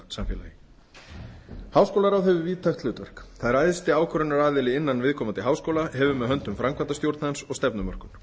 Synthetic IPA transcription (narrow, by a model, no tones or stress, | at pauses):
samfjɛlajɪ | haːwskowlaɾawɛvʏviːt̪ʰaxt̪lʏːt̪vɛr̥kθaðɛɾajðɪst̪ɪaːwkʰœɾʏnaɾaːðɪlɪɪnːanvɪðkʰɔːmant̪ɪɦaːwskowlaɦɛvʏmɛðɦœnt̪ʏmfɾamkvant̪ast̪jowɾt̪naðɪnsɔɣst̪ɛpnʏmœr̥kʏn